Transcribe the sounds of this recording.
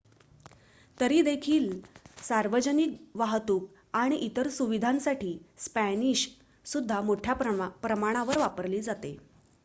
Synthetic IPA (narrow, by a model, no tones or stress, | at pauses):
t̪əɾiːd̪ekʰiːlsaɾʋəd͡ʑənikʋaɦt̪uːk̚ | aɽ̃iʔit̪əɾsuʋid̪ʱãnsaʈʰiːspæniɕ | sud̪ʱːamoʈʰjapɾəmaɽ̃aʋəɾʋapəɾliːd͡zat̪e